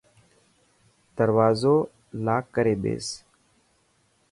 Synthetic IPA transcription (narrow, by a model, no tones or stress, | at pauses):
d̪əɾʋaːzoː | laːkːəɾeːɓḛːs